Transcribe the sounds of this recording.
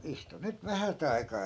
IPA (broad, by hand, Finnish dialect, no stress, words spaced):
istu nyt ʋæhæt ɑi̯kɑː